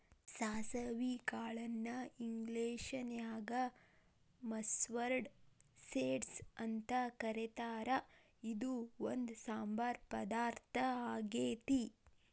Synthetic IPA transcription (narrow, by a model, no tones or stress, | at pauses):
saːsɐʋikaːɭɐnːɐiŋɡleːʂɐnjaːɡɐ | mɐsʋɐɾɖseːɖsɐnt̪ɐkɐɾet̪aːɾɐ | id̪uond̪saːmbaːɾpɐd̪aːɾt̪ʰɐaːɡeːt̪i